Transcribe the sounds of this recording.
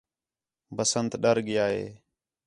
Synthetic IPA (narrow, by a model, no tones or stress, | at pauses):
bəsənt̪ɗəɾɡɪjaːɦḛː